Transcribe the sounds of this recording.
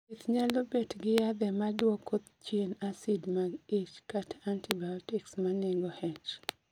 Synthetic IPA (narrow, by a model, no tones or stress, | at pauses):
it̪ɲalobetɡɪjad̪ɛmadwɔkʰot̪t͡ʃjenasidmaɡit͡ʃkatʰantibajɔtɪksmaneɡɔhɛt͡ʃ